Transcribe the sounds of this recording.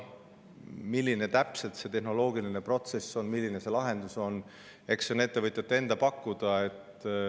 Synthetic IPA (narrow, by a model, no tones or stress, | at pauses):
milʲːine̞t̪æpse̞lt̪se̞t̪e̞ɦno̞lo̞ːɡiline̞pro̞t̪se̞sːo̞nmilːine̞se̞lɑɦe̞nd̪̥uso̞n | e̞kso̞ne̞t̪ːe̞vɤt̪ʲˑjɑt̪ːe̞nd̪̥ɑpɑkːud̪̥ɑe̞t̪ˑ